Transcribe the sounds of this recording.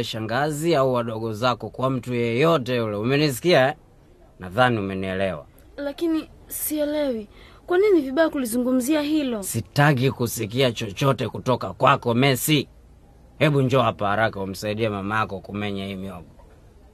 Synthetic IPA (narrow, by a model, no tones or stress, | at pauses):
ɛʃaŋɡaziauwaɗɔɠɔzakɔkwam̩tujɛjɔtɛjulɛumɛnis̬i̥kiaɛ | naðaniumɛniɛlɛwa̰ | lakinisiɛlɛwi | kwaniniviɓajakulizuŋɡum̩ziaɦilɔsitakikusik̬iat͡ʃɔt͡ʃɔtɛkutɔkakwakɔmɛsi | hɛɓuɲd͡ʒɔapahaɾakaum̩saiɗiamamajakɔkumɛɲahimiɔbɔ